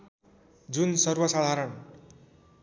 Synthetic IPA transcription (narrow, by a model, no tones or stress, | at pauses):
d͡zunsʌrbʌsad̪ʱaɾʌn